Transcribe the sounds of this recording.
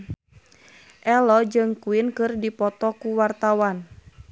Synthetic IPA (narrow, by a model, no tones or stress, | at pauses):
ʔɛlɔd͡ʒɨŋkuɪnkɨrdipɔt̪ɔkuwart̪awan